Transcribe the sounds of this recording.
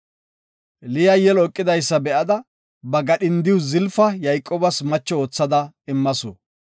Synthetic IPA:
lɪjɐjɛlɔkʼːɪd̪ɐjsːɐbɛʔɐd̪ɐ | bɐɡɐɗɪnd̪ɪwʊzɪlfɐjɐjkʼːoːbɐsmɐt͡ʃːɔoːt͡sːɐd̪ɐ | ɪmːɐsɔ̰

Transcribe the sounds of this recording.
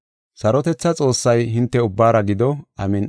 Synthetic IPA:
sɐɾɔt̪ɛt͡sːɐt͡sʼo̞ːsːɐjɦɪnt̪ːɛʊbːaːɾɐɡɪd̪ɔɐmɪn

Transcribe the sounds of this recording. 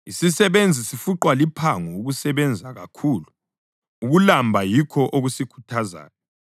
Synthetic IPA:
isisɛβend͡zʱisifuǃwalipʰaŋuuɣusɛβɛnd͡zʱaɣa̰kʰuːlu | uɣulambʱajikʰɔʔoɣusikʰu̥tʰaza̰ːna

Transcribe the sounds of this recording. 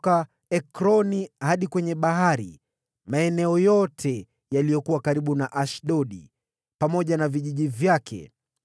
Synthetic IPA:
ka | ɛkɾɔnihaɗikwɛɲɛɓaɦaɾḭ | maɛnɛɔjɔtʰɛ | jalijɔkuwakaɾiɓunaʔaʃɗɔɗḭ | pamɔʄanaviʄiʄivjakʰɛ̰

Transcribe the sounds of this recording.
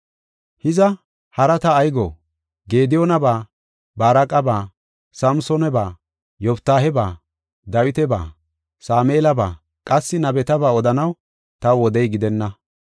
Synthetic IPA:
hɪzɐ | hɐɾɐt̪ɐːjɡo̰ː | ɡe̞ːd̪ɪjɔnɐbaː | baːɾɐkʼɐbaː | sɐmsɔnɛbaː | jɔpt̪ːaːɦɛba̰ː | d̪ɐwɪt̪ɛba̰ː | saːmeːlɐba̰ː | kʼɐsːɪnɐbɛt̪ɐbaːɔd̪ɐnɐw | t̪ɐwɔd̪ɛjɡɪd̪ɛnːɐ

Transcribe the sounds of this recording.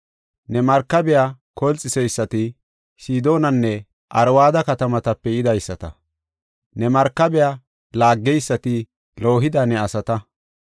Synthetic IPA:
nɛmɐɾkːɐbɛjakɔlt͡sʼːɪsɛjsːɐt̪ɪ | siːd̪o̞ːnɐnːɛ | ʔɐɾwaːd̪ɐkɐt̪ɐmɐt̪ɐpːɛɪd̪ɐjsːɐt̪ɐ̰ | nɛmɐɾkːɐbɛja | laːɡːɛjsːɐt̪ɪ | lo̞ːɦɪd̪ɐnɛɐsɐt̪ɐ

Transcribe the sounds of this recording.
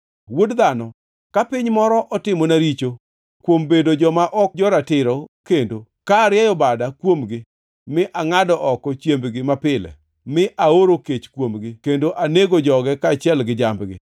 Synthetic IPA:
wodd̪anɔ | kapɪɲmɔɾɔʔɔtɪmonaɾit͡ʃo | kwombedod͡ʒɔmaʔɔk̚d͡ʒɔɾatɪɾɔkendo | kaːɾjɛjɔbadakwomɡɪ | mɪʔaŋadɔʔɔkɔt͡ʃjembɡɪmapɪlɛ̰ | mɪʔaoɾoket͡ʃkwomɡɪkendoʔaneɡod͡ʒɔɡɛkat͡ʃɪɛlɡɪd͡ʒambɡɪ̰

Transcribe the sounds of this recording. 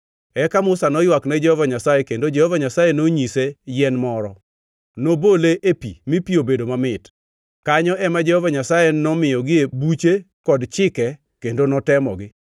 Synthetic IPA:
ɛkamʊsanɔjwaknɛd͡ʒɛhɔvaɲasajekendod͡ʒɛhɔvaɲasajenoɲisejɛnmɔɾɔ | noboleʔepḭmipiobedomamɪt | kaɲɔɛmad͡ʒɛhɔvaɲasajenɔmɪjɔɡɪebut͡ʃe | kɔdt͡ʃɪkɛ | kendonɔtɛmɔ̰ɡɪ

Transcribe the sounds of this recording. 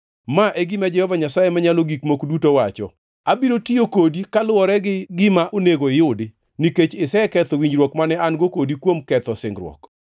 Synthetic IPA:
maʔeɡɪmad͡ʒɛhɔvaɲasajemaɲaloɡikmokdutowat͡ʃɔ̰ | abiɾotiokodikalʊɔɾɛɡɪɡɪmaʔoneɡoɪjʊdɪ | niket͡ʃɪsɛkɛt̪ɔwiɲd͡ʒɾwɔkmanɛanɡokodikwomkɛt̪ɔsɪ̰ŋɡɾwɔ̰k

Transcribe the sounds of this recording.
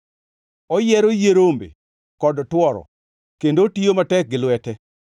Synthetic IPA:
ɔjɛɾojeɾombḛ | kɔdtwɔɾɔ̰ | kendotijomatɛk̚ɡɪlwɛtɛ

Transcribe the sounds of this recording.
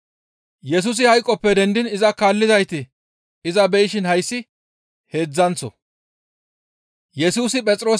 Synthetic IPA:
jɛs̬uːs̬ɪhɐjkʼːɔpːɛd̪ɛnd̪ɪnɪzɐkaːlːɪzɐjt̪ɪ | ɪzɐbɛjɪʃɪnhɐjsːɪ | he̞ːd͡zːɐnsɔ̰ | jɛsuːsɪpʼɛt͡sʼɾo̞ː

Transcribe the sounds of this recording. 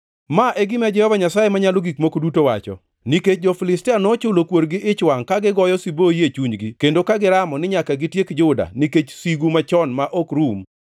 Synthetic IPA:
maʔeɡɪmad͡ʒɛhɔvaɲasajemaɲaloɡikmokdutowa̰t͡ʃɔ̰ | niket͡ʃ̚d͡ʒɔfilɪstɪanɔt͡ʃʊlokwoɾɡɪʔɪt͡ʃwaŋkaɡɪɡɔjɔsibojet͡ʃuɲɡikendokaɡɪɾamɔnɪɲakaɡɪtjekd͡ʒʊda̰niket͡ʃsiɡumat͡ʃɔnmaʔokɾum

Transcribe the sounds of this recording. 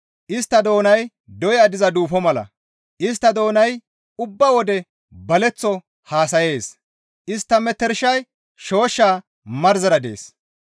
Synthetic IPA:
ʔɪst̪ːɐd̪o̞ːnɐj | d̪ɔjad̪ɪzɐd̪uːfɔmɐlɐ̰ | ʔɪs̬t̪ːɐd̪o̞ːnɐj | ʊbːɐwɔd̪ɛ | bɐlɛt͡sːɔ | haːsɐje̞ːs | ʔɪst̪ːɐmɛt̪ːɛɾʃɐj | ʃo̞ːʃːaː | mɐɾzɐɾɐd̪e̞̰ːs

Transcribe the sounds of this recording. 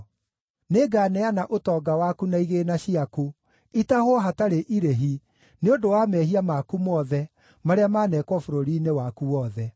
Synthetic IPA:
neɡaːnɛanaʔotɔːɡawakunaiɣeːnaɕiaku | itahwɔɦataɾeʔiɾeɦi | neondowamɛɦiamakumɔðɛ | maɾeamaːnɛːkwɔfoɾoɾiːnewakuwɔðɛ

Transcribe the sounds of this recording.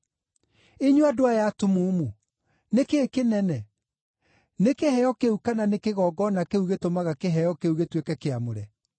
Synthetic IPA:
eɲuadoajatomomu | nekeːkenɛnɛ | nekehɛjɔkeukananekeɣɔɡɔnakeuɣetomaɣakeɦɛjɔkeuɣetwekɛkeamoɾɛ

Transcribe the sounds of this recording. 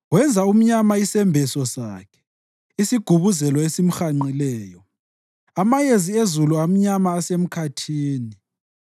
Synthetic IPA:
wɛnd͡zʱaum̩ɲamaisɛmbʱɛsɔsa̰ːkʰɛ̥ | isiɡ̥ʱuβuzɛlɔesim̩xaŋ͡ǃilɛːjɔ | amajeziezuluam̩ɲamaːsem̩kʰatʰiːni

